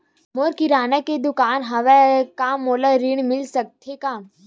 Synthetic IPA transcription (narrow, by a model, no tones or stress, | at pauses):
moɾkiɾaːnəkːed̪ʊkaːnɦɐʋɛkaːmoːləɾiɳmɪlsək̚t̪ʰekaː